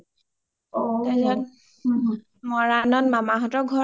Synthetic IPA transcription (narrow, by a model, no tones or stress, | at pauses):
ɛzɔn | mɔɹanɔnmamaɦɔtɔɡʱɔ